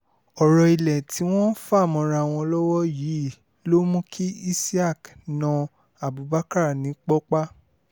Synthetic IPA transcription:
ɔ˨ɾɔ˨i˨lɛ˨ti˨˦w̃ɔ̃˦fa˦˨mɔ̃˧ɾa˧˨w̃ɔ̃˧lɔ˦wɔ˦ji˨˦˨ | lo˦mũ˦kʰi˦i˦si˦a˦˨k | nã˧ | a˨bu˨ba˦ka˦ɾa˦˨nĩ˨˦k͡pɔ˦k͡pa˦

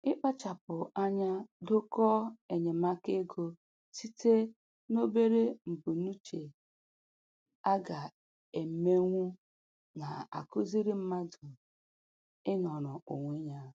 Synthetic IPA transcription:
ɪ˦k͡pa˦t͡ʃa˨pʊ˨a˦ɲa˦do˦kɔ˦e˨ɲe˨ma˦ke˦ɡo˦ | si˦te˦ | no˦be˦ɾe˦m̩˨bu˨nu˦t͡ʃe˨ | a˦ɡa˨ | e˨m̩˨me˦ŋʷu˦ | na˨a̰˨kʊ˦zi˦ɾi˦m̩˦ma˦dʊ˨ | ɪ˦nɔ˨ɾʊ˨o˨ŋʷe˦ɲa˦

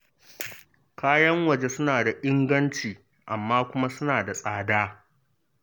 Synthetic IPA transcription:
kʰaː˦jɐ˦ŋwɐ˨d͡ʒe˦sʊ˦naː˨da˨ʔɪ˦ŋɡɐ˦nt͡ʃiː˨ | ʔa˨mːaː˦kʷʊ˦ma˦sʊ˦naː˨da˨sʼaː˨daː˦

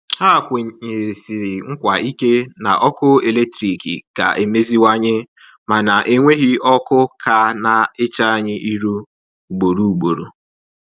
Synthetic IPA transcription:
ha˦˨kʷʊ˨ɲe˨ɾi˨si˨ɾɪ˨ŋ̩˦kʷa˨ʔi˦ke˦na̰˨ʔɔ˦kʊ˦e˨le˦k̚tɾi˨kḭ˨ka̰˨ʔe˨me˦zi˦wa˦ɲɪ˦ | ma˨na˨ʔe˦ŋʷe˦ɣi˦ɔ˦kʊ˦kʰa˦na˨ɪ˦t͡ʃa˦a˦ɲɪ˦ʔi˦ɾu˦ | u˨ɡ͡bo˨ɾu˦u˨ɡ͡bo˨ɾo̰˨

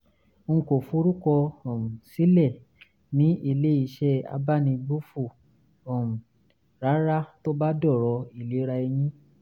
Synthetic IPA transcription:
ŋ̩˧ko˨fu˧˦ɾu˦kɔ˧ɔ˨m̩˨si˨˦lɛ˦˨ | nĩ˨˦i˧le˦i˧ʃɛ˦a̰˧ba˦nĩ˧bu˦fu˦˨ | ɔ˨m̩˨ | ɾa˨˦ɾa˦to˦ba˦dɔ˦˨ɾɔ˧˦i˦˨le˨˦ɾa˧e˧j̃ĩ˦

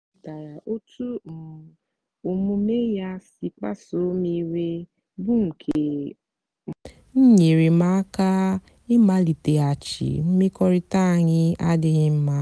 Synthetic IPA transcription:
ta˨ɾa˨ʔo˦tu˦˨ | o˨mu˦me˦ja˦si˦k͡pa̰˦so˦mi˦ɾe˦ | bʊ˦ŋ̩˨kʰe˨ | n̩˦ɲe˨ɾe˨ma˦ka˦ | ɪ˦ma˦li˨te˨a˨t͡ʃḭ˨m̩˦mɪ˦kɔ˦ɾɪ˦ta˦˨ɲɪ˦a˦dɪ˦ɣɪ˦m̩˦ma˦

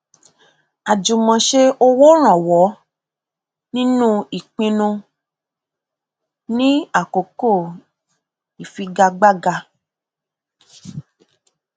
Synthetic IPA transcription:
a˨d͡ʒũ˨mɔ̃˨ʃe˧o˧wo˦ɾ̃ã˨wɔ˨˦ | nĩ˦nũ˦i˨k͡pĩ˧nũ˧ | nĩ˦a˦˨ko˨ko˦˨ | i˨fi˧ɡa˧ɡ͡ba˦ɡa˧

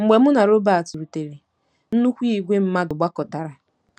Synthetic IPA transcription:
ŋ͡m̩˨ɡ͡be˨mʊ˦na˨ɾo˦ba˨a˨tu˨ɾu˨te˨ɾe˨ | n̩˦nu˦kʷi˦i˦˨ɡʷe˦m̩˦ma˦dʊ˨ɡ͡ba˦kɔ˨ta˨ɾa˨

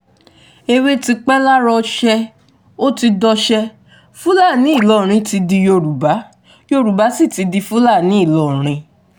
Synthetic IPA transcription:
e˧we˦ti˧k͡pɛ˦la˦ɾɔ˧ʃɛ˧ | o˦ti˧dɔ˧ʃɛ˧ | fũ˦la˦˨nĩ˨˦i˦˨lɔ˦˨ɾ̃ĩ˧ti˧di˧jo˧ɾu˨ba˨˦ | jo˧ɾu˨ba˨˦si˦˨ti˨˧di˧fu˦la˦˨nĩ˨˦i˦˨lɔ˦˨ɾ̃ĩ˧

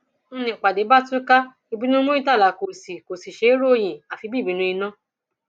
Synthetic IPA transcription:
ñ̩˦nĩ˧˨k͡pa˨de˨˦ba˦tũ˦ka˦ | i˧bĩ˨˦nũ˦mõ˦i˦ta˦˨la˨ko˨si˨ko˨si˨ʃe˧˦i˦ɾo˦˨j̃ĩ˨a˨fi˧˦bi˦˨bĩ˨˧˦nũ˧i˧nã˦

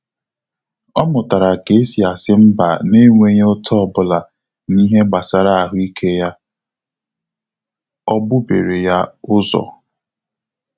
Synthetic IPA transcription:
ɔ˦mʊ˨ta˨ɾa˨ke˨˦si˨a˨sɪ˦m̩˦ba̰˨ne˦ŋʷe˦ɲe˦ʊ˦tʰɔ˦˨bʊ˦la˨ | ni˦ɦe˦ɡ͡ba˨sa˨ɾa˦a˨ɦʊ˦i˦kʰe˦ja˦ | ɔ˦bʊ˦be˨ɾe˨ja˦ʊ˦zɔ̰˨

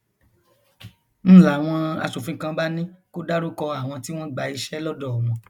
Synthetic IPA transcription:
ñ̩˦˨la˨w̃ɔ̃˧a̰˧ʃo˨fĩ˧˨kã˧ba˦nĩ˦ko˦da˦ɾu˦kɔ˧a˦˨w̃ɔ̃˧ti˦w̃ɔ̃˦ɡ͡ba˨i˧ʃɛ˦lɔ˦dɔ˦˨ɔ˨mɔ̃˨

